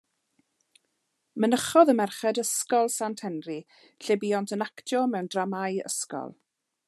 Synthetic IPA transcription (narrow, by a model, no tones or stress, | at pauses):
mənəχɔðəmɛrχɛdəskɔlˠsantʰhɛnri | ɬɛbiɔntʰənaktʰjɔmɛwndramajə̰skɔ̰lˠ